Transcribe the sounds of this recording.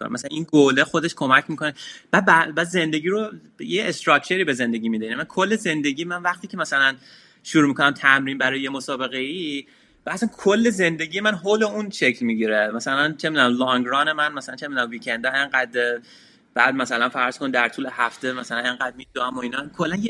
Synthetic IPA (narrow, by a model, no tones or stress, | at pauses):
o̰mæsælæninɡolexod̪e̞ʃkʰo̞mæcʰmiko̞neb̥æd̪̚bæbæːd̪ze̞nd̪e̞ɡiːɾo | jeest̪ɾɒk̚t͡ʃʰe̞ɾiːbe̞ze̞nd̪e̞ɟʲiːmiːd̪einmænkʰolːeze̞nd̪eɟiːjemænvæχt̪ʰiːcʲʰe̞mæsælæn | ʃuɾuːmikʰonæmt̪ʰæmɾiːnbæɾɒːjejemosɒːbe̞ɣei | bæsænkʰolːeze̞nd̪e̞ɡiːje̞mænɦoːle̞unʃecʰlmiɟiɾemæsælænt͡ʃʰe̞mid̪unæmlɒŋɡɾɒːnemænmæsælænt͡ʃʰemid̪unæmvikʰend̪ɒeŋɢæd̪ | b̥æːd̪̚mæsælænfæɾz̥kʰonid̪æɾt̪ʰuːlehæft̪e̞mæsælæne̞ŋɡæd̪̚mid̪uæmoinɒkʰolːænje